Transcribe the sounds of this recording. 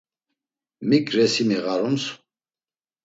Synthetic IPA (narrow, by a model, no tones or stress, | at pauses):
mikʼɾɛsimiʁaɾumsu̥